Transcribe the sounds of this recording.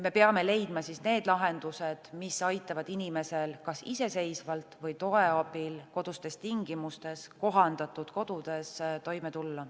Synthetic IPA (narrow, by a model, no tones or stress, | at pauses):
me̞peɑme̞le̞jd̪mɑsisne̞ːd̪lɑɦe̞nd̪̥use̞d̪̥misɑjt̪ːˑɑvɑd̪̥inime̞se̞lkɑsise̞se̞jsvɑlt̪vɤjt̪o̞e̞ɑbilko̞d̪̥ust̪e̞st̪iŋɡ̥imust̪e̞sko̞ɦɑnd̪̥ɑt̪ud̪̥ko̞d̪̥ud̪̥e̞st̪o̞jme̞t̪ulːɑ